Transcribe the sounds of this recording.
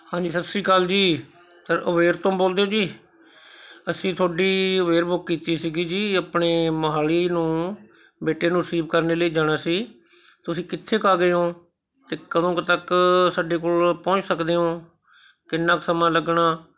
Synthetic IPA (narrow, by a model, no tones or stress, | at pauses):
hãːd͡ʒiːsəsiːkaːld͡ʒiː | t̪əɾəʋeːɾt̪õːboːld̪eːõːd͡ʒiː | əsĩːt̪ʰoːɖiːəʋeːɾbʊkːiːt̪iːsiɡiːd͡ʒiːaːpɳeːməɦaːliːnũː | beːʈeːnũːɾəsiːbkəɾneːləiːd͡ʒaːɽ̃aːsiː | t̪ʊsĩːkɪt̪ʰːeːkaːɡeːõː | t̪eːkəd̪õːkt̪əksaːɖeːkoːlpɔ̃ːt͡ʃsəkd̪eːɦõː | kɪnːãːksəmãːləɡɳaː